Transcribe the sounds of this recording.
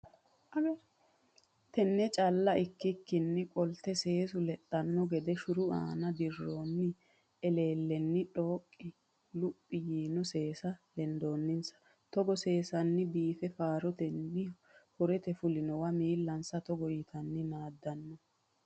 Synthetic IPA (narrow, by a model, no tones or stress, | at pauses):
ɐɡ | t̪ɛnːɛt͡ʃʼɐlːɐʔɪkːɪkːɪnːɪkʼɔlt̪ɛse̞ːsʊlɛᶑːɐnːɔɡɛd̪ɛʃʊɾʊa̰ːnɐd̪ɪrːoːnːɪ | ɛle̞ːlːɛnːɪᶑo̞ːkʼːɪ | lʊpʼːɪjiːnɔse̞ːsɐlɛnd̪oːnːɪnsɐ̥ | t̪ɔɡɔse̞ːsɐnːɪbiːfɛfaːɾɔt̪ɛnːɪ | hɔɾɛt̪ɛfʊlɪnɔwɐmiːlːɐnsɐt̪ɔɡɔjɪt̪ʰɐnːɪnaːd̪ːɐnːɔ